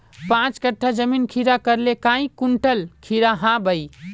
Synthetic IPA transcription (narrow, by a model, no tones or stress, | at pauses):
pãt͡ʃkəʈʰːad͡ʒəminkʰiɾakəɾlekãĩkuɳʈəlkʰiɾaɦãbəj